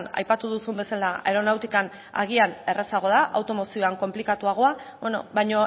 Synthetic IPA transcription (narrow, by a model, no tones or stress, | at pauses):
na̰jpat̪uðusumbe̞salae̞ɾo̞nawt̪ikan | a̰ɣ̞iane̞re̞saɣ̞o̞ðaʔawt̪o̞mo̞sioaŋko̞mplikat̪uaɣ̞oaβeno̰βajɲo̞